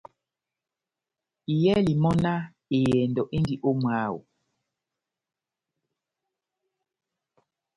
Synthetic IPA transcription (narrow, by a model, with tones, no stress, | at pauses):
i˨jɛ˦li˨mɔ˦na˦ | e˨jɛ˨ndɔ˨ʔe˦ndi˨ʔo˦mwa˨˦wo̰˨